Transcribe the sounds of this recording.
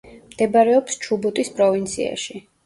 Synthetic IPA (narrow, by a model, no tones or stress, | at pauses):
md̪̥ɛbaɾɛɔpst͡ʃʰubɔt̪ʼispʼɾɔvint̪sʰḭa̰ʃi